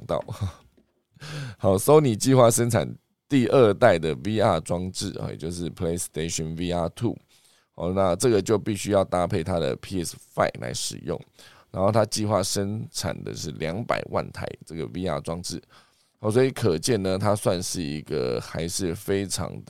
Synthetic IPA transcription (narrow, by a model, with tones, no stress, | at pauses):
ŋt̪ɑ̰˥˩ʊ | xa˨˩ʊso˥ʊni˨˩t͡ɕi˥˧xwa˥˩ʂə˥nt͡sʰa̰˨˩n | t̪i˥˧ə˥˧t̪a˥˩ɪd̪ə˩vi˥a˥˧ʈ͡ʂwɑ˥ŋʈ͡ʂɻ̩̰˥˩˨t͡ɕjo˥˧ʊʂɻ̩˥˩pʰle˥ɪst̪e˥˧ɕɔ˥˩nvi˥a˥t̪ʰṵ˥˩ | ɔ˥˩na˥˧ʈ͡ʂɤ˥˩ɡə˩t͡ɕjo˥˧ʊpi˥˩ɕy˥jɑ˥˩ʊt̪a˥pʰe˥˩ɪt̪ʰa˥d̪ə̰˨pʰi˥ɛ˥˩sfa̰˥˩ɪlʔa̰˧˥ɪʂɻ̩̰˨˩jʊ̰˥˩ŋ | na˧˥nxo˥˩ʊt̪ʰa˥t͡ɕi˥˧xwa˥˩ʂə˦˥nʈ͡ʂʰa̰˨˩nd̪ə̰˦ʂɻ̩˥˩ljɑ˧˥ŋpa̰˨˩ɪwʔa̰˥˩nt̪ʰa̰˧˥ɪʈ͡ʂə˥˩ɡə̰˩wi˥a̰˥˩ʈ͡ʂwɑ˥ŋʈ͡ʂɻ̩˥˩ | hɑ˧˨˩s̬wɔ˥i˨˩kʰə˨˩t͡ɕjɛ˥˩nnə˨t̪ʰa˥swa˥˧nʂɻ̩˥˩i˧˦˥ɡə̰˨xa˧˥ɪʂɻ̩˥˩fe˥ɪʈ͡ʂʰɑ̰˧˥ŋd̪